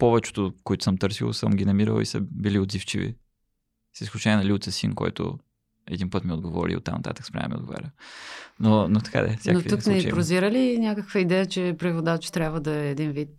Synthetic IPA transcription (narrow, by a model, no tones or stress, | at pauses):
pɔvɛt͡ʃɛ̥t̪ʊkoɛt̪ʊ̥səmt̪ɤɾsilˠsəmɡʲinɐmiɾə̰lˠḭsə̰biliod̪zift͡ʃivḭ | sisklʲut͡ʃɛnʲiɛnɐliʊt̪sʲəsinkɔ̰jt̪o̰ | ɛ̰d̪inpət̪mʲiod̪ɡovɔ̰ɾḭo̰t̪ːamnɐt̪a̰t̪ə̥kspɾʲa̰n̰miod̪ɡova̰ɾʲənonot̪ɐ̥ka̰d̪ɛ̰saknoiuk̪nɛipɾoziɾəlinʲakəkvəid̪ɛjət͡ʃɛpɾivod̪at͡ʃt̪ɾʲabvəd̪ɐɛːd̪invit̪̚